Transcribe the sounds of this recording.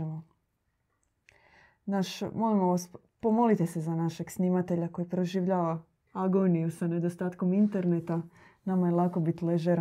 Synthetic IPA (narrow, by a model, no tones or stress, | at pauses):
mo | naʃmo̞limoʋas | po̞mo̞lit̪ese̞zanaʃe̞ɡsnimat̪e̞ʎako̞jipɾo̞ʒiʋʎaːʋa | aɡonijusane̞d̪ost̪aːt̪ko̞mint̪eɾnet̪a | namajelˠako̞bit̪leʒeɾ